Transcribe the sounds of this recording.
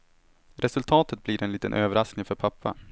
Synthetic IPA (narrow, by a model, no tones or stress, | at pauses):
ɾʔɛsɵlt̪ʰɑːt̪ət̪̚bliɾɛniːt̪ə̰nʔøːvəɾasknɪŋfœɾpʰapːa̰